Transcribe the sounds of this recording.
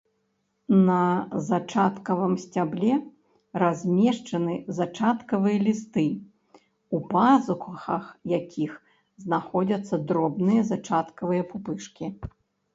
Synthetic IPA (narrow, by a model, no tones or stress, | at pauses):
nɐzat͡ʂat̪kɐvɨmsʲt͡sʲablʲɛ | razʲmʲɛʂt͡ʂɐnɨzat͡ʂat̪kɐvɨjɐlʲist̪ɨ | upazukɐxɐxjakʲʰix | znaxɔd͡zʲɐt̪sːɐd̪ɾɔbnɨjɐzat͡ʂat̪kɐvɨjɐpupɨʂkʲi